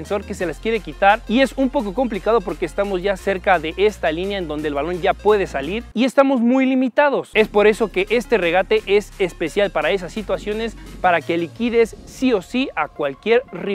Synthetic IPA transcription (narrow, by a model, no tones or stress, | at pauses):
nso̞ɾke̞se̞laskje̞ɾe̞kit̪aɾie̞sumpo̞ko̞ko̞mplikaðo̞po̞ɾke̞ːst̪amo̞zʝase̞ɾkaðe̞ʔe̞st̪alinjaend̪o̞nd̪elβalo̞nɟapwe̞ð̞e̞saliɾie̞st̪amo̞zmujlimit̪að̞o̞se̞spo̞ɾe̞so̞ke̞ʔe̞st̪e̞re̞ɣat̪e̞ʔe̞sespe̞sjalpaɾae̞s̬asːit̪wasjo̞ne̞spaɾake̞likiðe̞sːio̞siakwalkje̞ɾri